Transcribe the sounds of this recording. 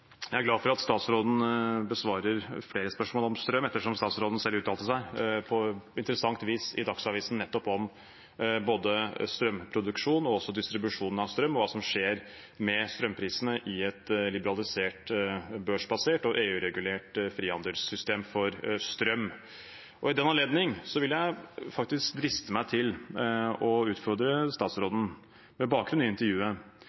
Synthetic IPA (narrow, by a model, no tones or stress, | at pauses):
jææɾɡlɑːfɔɾɑt̪st̪ɑːt̪sɾoːd̪n̩bəsʋɑːɾəɾfleːɾəspœʂmoːlɔmst̪ɾœmːɛt̪ːəʂɔmst̪ɑːt̪sɾoːd̪n̩sɛlːʉːt̪ʰːɑlt̪əsæɪpʰɔɪnt̪ɾəsɑŋt̪ʋiːsɪd̪ɑksɑːʋiːsn̩nːɛt̪ːɔpɔm | boːd̪əst̪ɾœmpʰɾʊd̪ʉkʂuːnɔɔsːɔd̪ɪst̪ɾɪbʉʂuːnn̩ɑʋst̪ɾœmːɔʋɑːsɔmʂeːɾ | mɛst̪ɾœmpʰɾiːsənəʔɪɛt̪lɪbəɾɑlɪseːʈbøːʂbɑseːʈɔʔeːʉːɾɛɡʉleːʈfɾiːɑnd̪əlsʏst̪eːmfɔɾst̪ɾœmː | ʔɔɪd̪ɛnːɑnleːd̪nɪŋsɔʋɪljæɪfɑk̚t̪ɪskd̪ɾɪst̪əmæɪt̪ʰɪl | ɔʉːt̪fɔɾd̪ɾəst̪ɑːt̪sɾoːd̪n̩ | mɛbɑːkɡɾʉnɪnt̪əɾjʉːə